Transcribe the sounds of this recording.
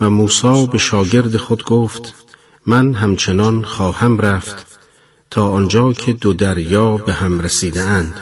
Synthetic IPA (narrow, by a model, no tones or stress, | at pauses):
væmuːsɒːbe̞ʃɒːɟe̞ɾd̪exod̪ɡoːft̪ | mænɦæmt͡ʃʰenɒnχɒːhæmɾæft̪ | t̪ʰɒːʔɒnd͡ʒɒːcʰe̞d̪od̪æɾjɒːbehæmɾesiːd̪eænd̪̥